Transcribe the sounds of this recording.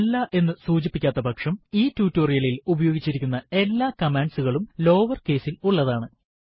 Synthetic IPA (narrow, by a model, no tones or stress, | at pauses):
lːaːʔe̞nːɨsuːd͡ʑipːikʲːaːt̪ːɐbʱɐkʂɐmiːtuːtːo̞ːrijɐlilubɐjoːɡit͡ɕːiɾikʲːunːɐe̞lːaːkɐmeːɳɖsuɣɐɭumlo̞ːʋɐrke̞ːsiluɭːɐðaːɳɨ